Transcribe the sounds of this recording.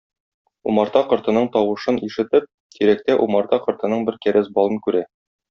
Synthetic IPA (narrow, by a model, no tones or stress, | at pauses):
ṵmɑɾt̪ɑqɤ̆ɾt̪ɤ̆nɤɴt̪ɒwɤ̆ʃɤniʃɘ̆t̪ɘp̚ | t̪ʰiɾæk̚t̪æʔumɑɾt̪ɑqɤ̆ɾt̪ɤ̆nɤɴbɘɾkæɾæsbɒlˠɤnkʉɾæ